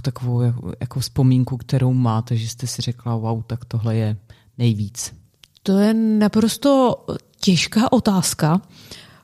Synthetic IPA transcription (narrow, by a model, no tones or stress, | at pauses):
t̪akovowjaja̰kofspo̞miŋkukt̪ɛɾo̞wmaːt̪ɛʒɛst̪ɛsɪr̝ɛklawawt̪akt̪o̞ɦlɛjɛ | nɛjviːt͡s | t̪o̞jɛnapɾo̞st̪o̞ | cɛʃkaːʔo̞t̪aːska